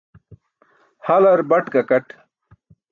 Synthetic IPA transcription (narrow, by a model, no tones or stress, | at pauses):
hɐlɐɾbɐʈkɐkɐʈ